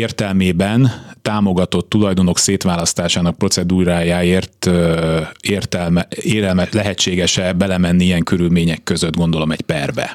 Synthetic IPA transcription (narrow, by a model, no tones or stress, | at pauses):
eːrt̪ɛlmeːbɛnt̪aːmo̞ɡɒt̪o̞t̪ːulɒjd̪o̞no̞kseːt̪ʋaːlɒst̪aːʃaːnɒk̚pro̞t̪sɛd̪uːɾaːjaːeːrt̪ | ert̪ɛlmeːɾɛlmɛlɛɦɛt͡ʃːeːɡɛʃɛbɛlɛmɛnːiiɛŋkø̞ɾylmeːɲɛkːø̞zød̪ɡo̞nd̪o̞lo̞mɛcpɛrbɛ̰